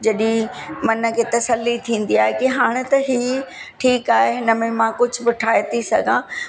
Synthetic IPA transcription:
d͡ʑɐɗĩmɐnə̆kʰeːt̪ɐsəlːit̪ʰĩːn̆d̪iaːɦekiɦaːɽ̃ɪt̪ɐɦiː | ʈʰiːkaːɦeɦɪnə̆mẽmãkʊd͡ʑʱʊ̆bɪʈʰaːjt̪isɐ̰ɡʱãː

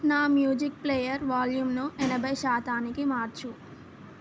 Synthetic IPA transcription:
naːmjuːd͡ʒik̚pleːjɐɾʋaːljumnuʔɛnɐbʱɐjʃaːt̪aːnikimaːɾt͡ʃu

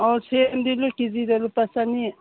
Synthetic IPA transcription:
ɔɾt͡sʰemd̪ilokizid̪elupasani

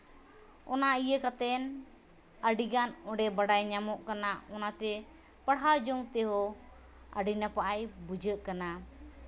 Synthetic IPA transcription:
ɔnaijəkat̪ɛn | əɖiɡanɔɖɛbaɽajɲamɔʔkanaɔnat̪ɛ | pəɽɦad͡ʒɔŋt̪ɛɦɔ | a̰ɖinapaʔajbud͡ʒəʔkana

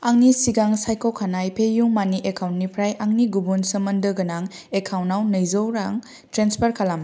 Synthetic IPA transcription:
aŋnisiɡaŋsajkokʰanajpʰejuŋmaniʔekʰawntnipʰɾajʔaŋniɡubunsəmɐndɯɡɐnaŋ | ekʰawnawnɐjzowɾaŋ | tɾenspʰɐɾkʰalam

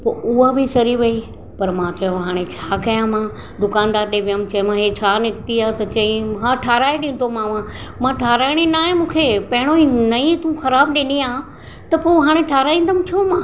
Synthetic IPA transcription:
poːʔʊɦabʱɪsɐɾiʋɐi | pɐɾmãːt͡ɕɐjõɦaːɽ̃et͡ɕʰaːkɐjãmãː | d̪ʊkaːnd̪aːɾɗẽːʋijãmt͡ɕɐ̃ɦɪ̃mãɦet͡ɕʰaːnɪkt̪iaːt̪ɐt͡ɕɐ̃ĩɦãːʈʰaːɾaːeɗɪ̃ːn̆d̪omãːʋãmãːʈʰaːɾaːɪɽ̃enaːɦẽmũːkʰepɐ̃ɦɪɽ̃oinɐĩt̪ũxɐɾaːbɗẽːniãː | t̪ɐpoːɦaːɽ̃eʈʰaːɾaːĩːnd̪əmtʰoːmãː

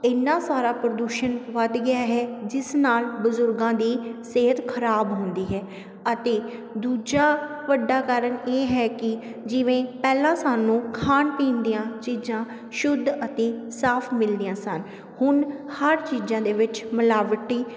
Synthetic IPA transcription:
ɪnːaːsaːɾaːpɾəd̪uːʃənʋəd̪ɡɪjaːɦɛːd͡ʒɪsnaːlbʊzʊɾɡãːd̪iːseːɦət̪kʰəɾaːbɦõnd̪iːɦɛː | ət̪eː | d̪uːd͡ʒaː | ʋəɖːaːkaːɾəneːɦɛːkɪ | d͡ʒɪʋẽːpɛːlãːsaːnũːkʰaːnpĩːnd̪ijãːt͡ʃiːd͡ʒãː | ʃʊd̪ːət̪eːsaːpʰmɪld̪ijãːsən | hʊn | həɾt͡ʃiːd͡ʒãːd̪eːʋɪt͡ʃməlaːʋʈiː

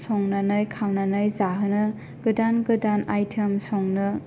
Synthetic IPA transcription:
sɔŋnanɯjkʰawnanɯjzaɦɯnɯ | ɡɯdanɡɯdanajtʰemsɔŋnɯ

